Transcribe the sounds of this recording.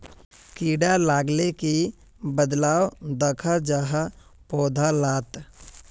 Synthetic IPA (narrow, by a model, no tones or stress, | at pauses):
kiːɖalaːɡleki | bəd̪laːwd̪əkʰad͡ʒaːɦapɔːd̪ʱalaːt̪